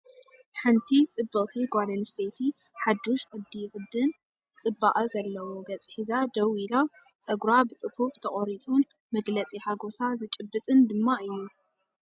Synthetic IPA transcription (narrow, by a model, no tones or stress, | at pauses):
ħɨnt̪ʰit͡sʼɨbːɨχʼt̪ʰiɡʷalɐnst̪ʰet̪ʰiħad̪ːuʃʔɨd̪ixʼɨd̪ːɨn | t͡sʼɨbːaʔʼɐzɐlːɐwoɡɐt͡sʼħizad̪ɐwilo | t͡sʼɐɡɾabɨt͡sʼɨfuft̪ʰɐkʼoɾit͡sʼun | mɐɡlɐt͡sʼiħaɡosazɨt͡ʃʼɨbːɨt̪ʼɨnd̪ɨmːaɨjːu